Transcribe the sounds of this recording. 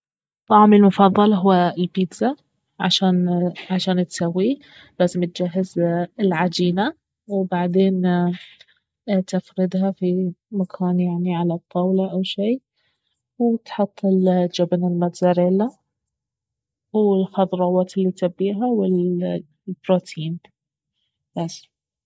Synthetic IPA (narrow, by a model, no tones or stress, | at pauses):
t̪ˤːɑʕmɪlmʊfɑðˤːɑlɦʊːalbid̪za | ʕa̰ʃaːnʕaʃaːnt̪sawːi | laːzɪmt̪̚d͡ʒaɦːɪzɪlʕad͡ʒiːna | wbaʕd̪eːn | t̪ɪfɾɪd̪hafimakʰaːnjaʕniʕalat̪ˤʰːɑwlɑʔawʃiː | wt̪ħʊt̪ˤːɪld͡ʒabanɪlmat̪zaɾeːla | wɪlxɑd̪ˤɾˤɑːwɑːt̪ɪlːit̪abːiːɦawɪl | bɾoːt̪ʰiːn | bas